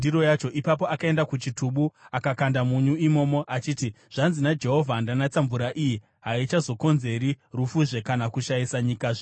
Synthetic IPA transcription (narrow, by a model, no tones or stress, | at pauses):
iɾo̞jat͡ʃo̞ʔipapo̞akae̞ndakut͡ʃitʰuɓuakakandamuɲuimo̞ːmo̞ʔat͡ʃiːti | ʐ̥anzinad͡ʒe̞ɦo̞vʱandanat͡saɱvuɾaʔiji | ɦait͡ʃazo̞ko̞nze̞ɾi | rufuʐe̞kanakuʃajisaɲikaʐe